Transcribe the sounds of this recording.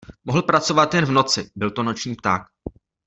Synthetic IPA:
moɦl̩pɾat͡so̞vat̪jɛnvno̞t͡sɪbɪlt̪o̞no̞t͡ʃɲiːpt̪aːk̚

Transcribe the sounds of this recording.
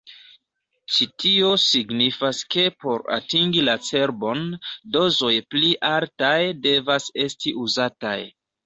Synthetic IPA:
t͡ʃitʰio̞siɡnifaske̞po̞ɾa̰tiŋɡilat͡se̞ɾbo̞ndo̞zo̞jpliʔaltajde̞vase̞stiʔuzata̰j

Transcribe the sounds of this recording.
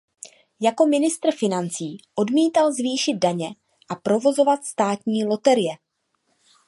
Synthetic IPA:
jako̞mɪnɪst̪r̩fɪnant͡siːʔo̞dmiːt̪alzviːʃɪd̪̚daɲɛ | ʔapɾo̞vo̞zo̞vat̪st̪aːt̪ɲiːlo̞t̪ɛɾɪjɛ

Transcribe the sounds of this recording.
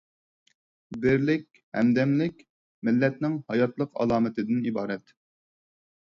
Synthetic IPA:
bɪɾlɪkʲ | hɛ̰md̪ɛmlɪkʲ | mɪlːɛt̪̚nɪŋhɑjɑt̪lˠəqɑ̰lˠɑːmɨt̪ɨd̪ɪnibɑːɾɛt̪

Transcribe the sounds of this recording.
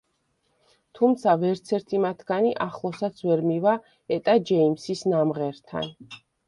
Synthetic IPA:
t̪ʰumt̪sʰavɛɾt̪sʰɛɾt̪ʰimat̪ʰɡ̥aniʔaχlˠɔsat̪sʰvɛɾmiva | ɛt̪ʼad͡ʒɛimsisnamʁɛɾt̪ʰa̰n

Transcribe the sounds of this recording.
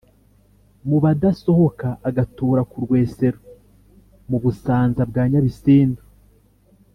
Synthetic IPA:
muβadaso̞ho̞kaʔːɡatuːɾakuɾɡwe̞ːse̞ɾo | muβusaːnzabɡaːɲaβisiːndu

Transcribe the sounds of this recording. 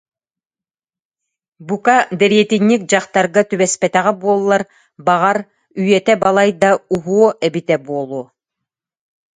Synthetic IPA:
bukad̪ɛɾiɛt̪inʲːik̚d͡ʑɑχt̪ɑɾɡat̪yβɛspɛt̪æʁɛbuɔlˠːaɾ | bɑʁaɾ | yjɛt̪ɛbɑlˠajd̪auɦuɔʔɛbit̪ɛbuɔlˠuː

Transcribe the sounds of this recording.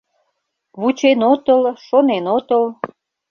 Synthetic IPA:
βut͡ɕenot̪əlʃonenot̪əl

